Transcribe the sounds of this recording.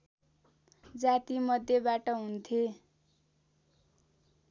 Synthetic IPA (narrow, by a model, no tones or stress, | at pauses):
d͡zat̪imʌd̪ʱjebaʈʌɦunt̪ʰe